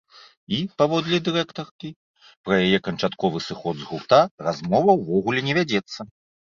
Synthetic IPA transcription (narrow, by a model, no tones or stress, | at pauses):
ipavɔd̪lʲid̪ɨɾɛkt̪ɐrkʲi | pɾɐjajɛkɐnt͡ʂat̪kɔvɨsɨxɔd̪zɣurt̪arazmɔvɐwvɔɣulʲɛnʲɛvʲad͡zʲɛt̪sːɐ